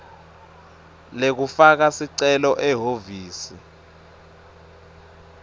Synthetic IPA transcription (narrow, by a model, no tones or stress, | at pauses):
lek̬ufak̬asiǀɛlɔʔɛɦoviːsi